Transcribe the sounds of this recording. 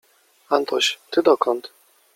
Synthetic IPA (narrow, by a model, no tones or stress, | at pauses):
ant̪ɔɕt̪ɘd̪ɔkɔnt̪